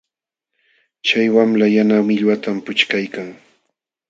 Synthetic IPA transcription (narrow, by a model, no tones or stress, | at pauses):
t͡ʃajwamlajanamɪʎwat̪ampʊt͡ʃkajkaŋ